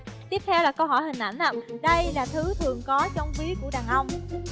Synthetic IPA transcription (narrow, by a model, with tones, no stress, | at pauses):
t̪i˦˥əp̚t̪ʰɛ˧wlaː˨˩kə˧wɦɔ̰˧˩jhï˨˩ŋ̟ʔa˧˩jŋ̟ʔaː˧˩ɗə˧jlaː˨˩t̪ʰɨ˨˦t̪ʰɨ˨˩əŋkɔ˨˦t͡ɕɔ˧wŋ͡mvi˨˦ku˧˩əɗaː˨˩ŋʔə˧wŋ͡m